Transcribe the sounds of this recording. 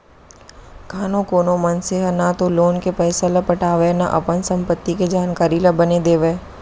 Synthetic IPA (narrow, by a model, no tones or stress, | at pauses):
kʰaːnõkoːnõmɐnseɦanat̪oloːnkepɛːsalɐpɐʈʰaːʋenaʔɐ̰pənsɐ̃mpət̪ːiked͡ʒaːnkaːɾilabɐned̪eːʋeː